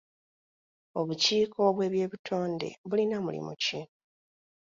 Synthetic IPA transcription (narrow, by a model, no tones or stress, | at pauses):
o̞βuciːkʰo̞βwe̞ːβje̞ːβitʰo̞ːnde̞̰βulinamṵlḭmṵci